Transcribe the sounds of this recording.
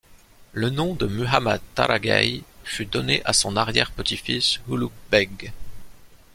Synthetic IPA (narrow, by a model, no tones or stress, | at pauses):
lənɔ̃d̪əmyɦama̰d̪̚t̪a̰ɾaɡa̰jfyd̪ɔneʔasɔ̃naʁjɛʁpət̪ifishulukbɛɡ